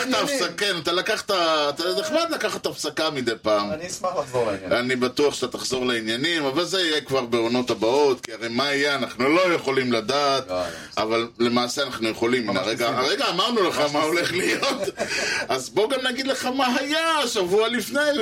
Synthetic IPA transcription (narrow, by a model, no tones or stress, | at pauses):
χt̪aafsakenat̪alakaχt̪aːt̪aneχmad̪lakaχat̪afsakamid̪ejpaːm | anibat̪uaχʃḁtat̪aχzo̞ʁleinjanimavalzeijekvaʁbe̞ono̞t̪abao̞t̪kiaʁejmaijeanaχnulo̞jeχo̞limladaːt̪ | a̰valle̞maːseanaχnuje̞χo̞limina̰ʁeɡaʁeɡaːmaʁnuleχamao̞le̞χlijo̞t̪azbo̞ɡamnaɡid̪leχamaɦajaʃavualifnej